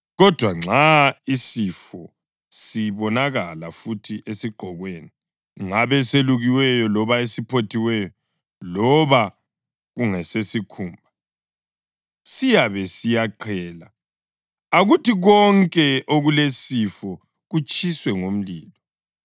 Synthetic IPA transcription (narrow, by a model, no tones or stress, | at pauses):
ɣɔd̥ʱwaŋ͡ǀʱaisifɔ | siβɔnaɣalafutʰiʔesiɡ͡ǃʱɔɣweːni | ŋaβɛseluɣiwɛjɔlɔβaesipʰotʰiwɛjɔ | lɔβa | ɣuŋɛsesikʰuːmbʱa | sijaβɛsijaǃʰɛːla | aɣutiɣɔŋkʼɛʔoɣulesifɔ | ɣut͡ʃʰʼiswɛŋom̩liːlɔ